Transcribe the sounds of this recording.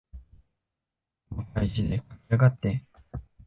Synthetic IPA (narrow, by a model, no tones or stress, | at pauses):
mokaiʑid̪ekḁkiaɡat̪ːe